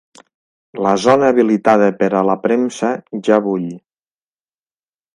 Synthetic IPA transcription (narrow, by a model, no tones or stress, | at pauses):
ləzɔnəːβilit̪að̞əpəɾələpɾemsəʒaβuʎ